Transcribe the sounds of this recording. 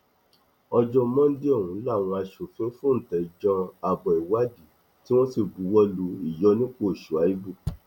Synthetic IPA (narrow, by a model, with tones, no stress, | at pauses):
ɔ˧d͡ʒɔ̃˧mɔ̃˦n̩˦di˦ɔ˦˨ũ˨˦la˦˨w̃ɔ̃˧a˧ʃu˨fĩ˨˦fũ˦n̩˨tɛ˨d͡ʒɔ̃˧a˨bɔ˨i˨wa˦di˨ | ti˦w̃ɔ̃˦si˦˨bu˨˦wɔ˦lu˧˦i˨jɔ˨˦nĩ˦k͡po˦˨ʃu˨a˨˦i˦bu˦˨